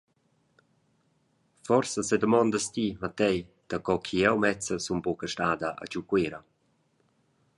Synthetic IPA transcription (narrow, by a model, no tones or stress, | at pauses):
fɔrsəsed̪əmɔnd̪əst̪imat̪ɛjd̪̥akɔkʰiɛwmɛt͡səsunbɔkəʃtaːd̪əʔa̰t͡ʃukweɾə